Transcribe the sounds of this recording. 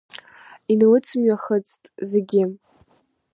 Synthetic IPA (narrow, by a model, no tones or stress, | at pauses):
inɨlɨt͡sʰɨmɥaχət͡sʼtʼze̞ɡʲɪ